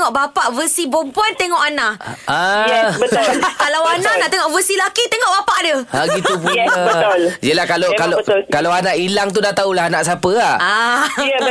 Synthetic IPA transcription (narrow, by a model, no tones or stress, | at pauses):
ŋɔʔbapaʔvəsibɔmpuant̪eŋɔʔanaʔabətkalawanaʔnaʔt̪eŋɔʔvəsilakit̪eŋɔʔbapaʔdəaɡitupubəljəlahkalokaləkalawanaʔilaŋt̪̬udaht̪aulahanaʔsapəaa